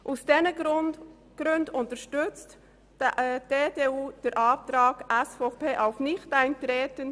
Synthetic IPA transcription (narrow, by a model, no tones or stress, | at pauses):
ʔusd̥ɛnə | ɡ̥ɾøndʊntəɾʃtʏt͡st | ʔd̥eːdeːuːd̥əɾʔɑːp̚tɾɑːɡ̥ʔæsfopeːʔaʊfnɪχtæɪntɾeːtən